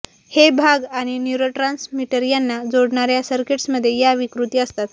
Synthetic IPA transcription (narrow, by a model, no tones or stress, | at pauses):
hebʱaɡaɽ̃injuɾoʈɾansmiʈəɾijanːad͡zoɽɳaɾjasəɾkeʈsməd̪ʱːjejaʋikɾut̪iəst̪at̪